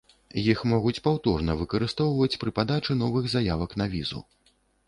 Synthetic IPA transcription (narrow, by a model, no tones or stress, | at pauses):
jixmɔɣut͡sʲpawt̪ɔrnɐvɨkɐɾɨst̪ɔwvɐt͡sʲpɾɨpad̪at͡ʂɨn̪ɔvɨɣzajavɐknavʲizṵ